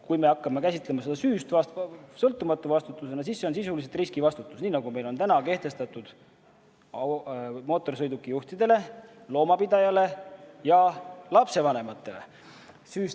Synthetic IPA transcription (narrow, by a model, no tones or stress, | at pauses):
kujme̞ɑkˑːɑme̞kæsʲit̪ˑle̞mɑse̞d̪ɑsyːst̪vɑssɤlt̪ːˑumɑt̪ːˑuvɑst̪ut̪ːˑuse̞nɑsisːeo̞nsisuliset̪riskivɑst̪ut̪ːˑusniːnɑɡume̞jlo̞nt̪ænɑke̞ht̪e̞st̪ɑt̪ud̪̥ | ɑmo̞ːt̪ːˑo̞rs̬ɤjd̪ukːˑijuht̪id̪̥e̞le̞lo̞ːmɑpid̪ɑjɑle̞jɑlɑpse̞vɑne̞mɑt̪ːe̞le̞̰ | syːs